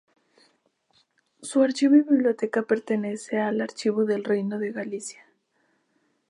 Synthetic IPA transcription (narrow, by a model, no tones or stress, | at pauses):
suaɾt͡ʃiβiβiβljo̞t̪e̞kape̞ɾt̪e̞ne̞se̞alaɾt͡ʃiβoðe̞lrejno̞ðe̞ɣalisjḁ